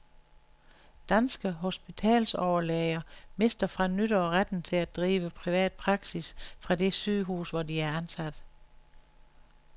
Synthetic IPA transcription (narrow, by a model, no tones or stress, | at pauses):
d̥ænsɡ̥əɦo̝sb̥it͡sʰɛ̰ːlsɒʊɐlɛɪɐme̝sd̥ɐfʁɑ̈nyɾ̥ɐɒʁad̥n̩t͡sʰe̝læd̥ʁiːʋəpʰʁiʋɛ̰ːd̥̚pʰʁɑ̈ɡ̥sisfʁɑ̈de̝sy̰ːɦṵːsʋɒdiæɐænsæd̥